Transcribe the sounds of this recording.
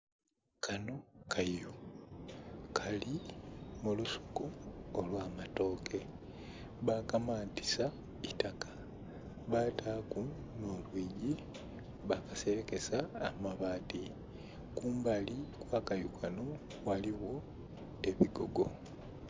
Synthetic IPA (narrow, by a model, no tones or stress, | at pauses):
kʰano̞kʰaju | kʰalimulusu̥kuːlwaːmato̞ːke̞ | βakamaːnti̥sa | itakḁ | βatʰaːku | nolwiːɟi | βakase̞ɾeke̞sa̰ːmaβaːti | kuːmbalikwakajukʰano̞ | waliwo̞ | e̞βiɡo̞ɡo̞